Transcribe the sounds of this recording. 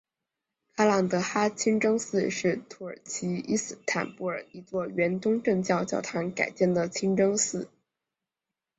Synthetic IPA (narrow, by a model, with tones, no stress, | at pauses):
kʰa˥la˥˩ŋt̪ɤ˧˥xa˥t͡ɕʰi˥ŋʈ͡ʂɤ˥ŋsɹ̩˥˧ʂɻ̩˥˩t̪ʰu˧˥ə̰˞˨˩t͡ɕʰi˧˥i˥sɹ̩˥˩t̪ʰa̰˨˩npu˥˩ə˞˨˩˥i˧˥t͡swɔ˥˩ɥɛ˧˥nt̪ʊ˥ŋʈ͡ʂɤ˥˧ŋt͡ɕjɑ˥˧ʊt͡ɕjɑ˥˧ʊt̪ʰa˧˥˧nka̰˨˩ɪt͡ɕjɛ˥˩nd̪ə˩t͡ɕʰi˥ŋʈ͡ʂɤ˥ŋsɹ̩˥˩